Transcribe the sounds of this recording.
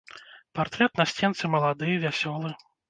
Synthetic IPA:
part̪ɾɛt̪nasʲt͡sʲɛnt̪sɨmɐlˠad̪ɨjɐvʲasʲɔlˠɨ

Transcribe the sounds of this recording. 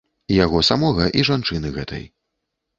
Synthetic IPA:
jaɣɔsamɔɣɐʔiʐant͡ʂɨnɨɣɛ̰t̪ʰɐ̰j

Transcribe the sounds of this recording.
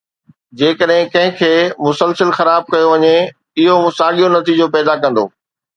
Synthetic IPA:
d͡ʑeːkəɗɦɪ̃kɐ̃ɦɪ̃kʰeːmʊsəlsəlxɐɾaːb̚kɐjoʋɐɲe | ɪɦoʊsaːɠijonɐt̪iːd͡ʑopɛːd̪akɐ̃nd̪o̰ː

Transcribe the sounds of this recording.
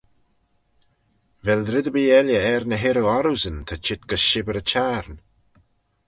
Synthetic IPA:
vɛldɾɪd̪əbiːɛljəɛɾnəɦɪɾuaɾuzənt̪ʰat͡ʃʰɪt̪̚ɡ̥əsʃɪbəɾət͡ʃʰaːɾn

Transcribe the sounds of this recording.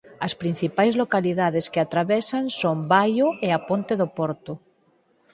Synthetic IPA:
ɐspɾĩn̟θipajzlokaliðaðeskeat̪ɾaβɛsansombajoeapont̪eðopoɾt̪ʊ

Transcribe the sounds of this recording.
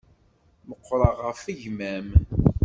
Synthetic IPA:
məqːɾˤɑʁəfəʝmæm

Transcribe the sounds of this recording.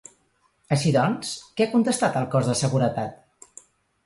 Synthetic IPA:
əʃiðɔnskɛakunt̪əst̪at̪əlˠkɔzðəsəɣuɾət̪at̪

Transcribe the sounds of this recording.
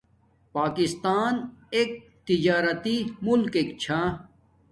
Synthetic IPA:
paːkist̪aːneːk̚ | t̪id͡ʑaːɾɐt̪imulkekt͡ɕʰa

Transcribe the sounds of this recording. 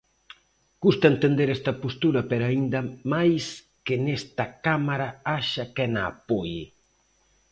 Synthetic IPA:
kust̪aent̪end̪eɾɛst̪ɐpost̪uɾɐpeɾaind̪amajs | kenɛst̪akamaɾaaʃakɛna̰ːpojɪ

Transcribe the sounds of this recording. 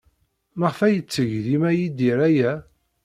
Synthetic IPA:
məʁfæjət͡sːəʝðimæjid̪iɾæjæ

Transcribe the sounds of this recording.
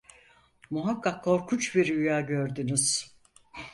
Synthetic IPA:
muɦakːakʰːo̞ɾkʰut͡ʃbiɾyjaːɟøɾd̪ynyz̥

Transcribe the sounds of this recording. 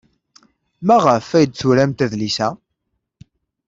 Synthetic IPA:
mæʁəfːæjəd̪t͡suɾæmt̪æðlisæ

